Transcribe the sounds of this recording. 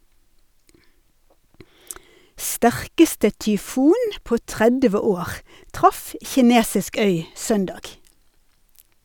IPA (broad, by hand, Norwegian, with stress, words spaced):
ˈstæʁkəstə tʏˈfuːn ˈpoː ˈtʁɛdʋə ˈoːʁ ˈtʁɑf çɪˈneːsɪsk ˈœʏ ˈsœndɑːɡ